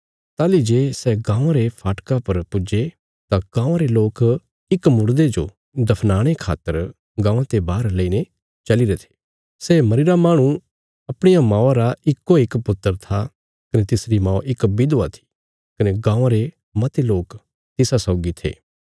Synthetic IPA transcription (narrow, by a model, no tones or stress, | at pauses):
t̪aːlid͡ʒeːsɛɡãːãɾepʰaːʈkapɐɾpʊd͡ʒe | t̪aɡ̥ãːãɾeloːk | ɪkmʊɽd̪ed͡ʒo̰ | d̪ɐpʰnaːɽ̃ekʰa̰ːt̪ːəɾ | ɡãːãt̪ebaːɾləiːne | t͡ʃɐliɾet̪ʰe̥ː | seːmɐɾɪɾamaːɽ̃ũ | ɐpɽ̃ejamãːaɾaɪkːoɪkpʊt̪ːəɾt̪ʰa | kɐnet̪ɪsɾimãːoʔɪkbɪd̪oat̪ʰi̥ | kɐneɡãːãɾe | mɐt̪eloːk | t̪ɪsasɔːɡit̪ʰḛː